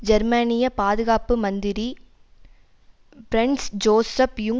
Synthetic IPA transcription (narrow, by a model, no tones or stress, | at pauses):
d͡ʒɐɾmɐnɪjɐpaːðɯɣaːpɯmɐnd̪ɪɾi | pɾɛɳɖsd͡ʒoːsɐfjʊŋ